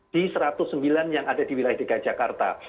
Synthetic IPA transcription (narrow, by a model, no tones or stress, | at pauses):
d̥isəɾat̪ʊsːəmbilanjaŋadadiwilajahdekḁd͡ʒakart̪a̰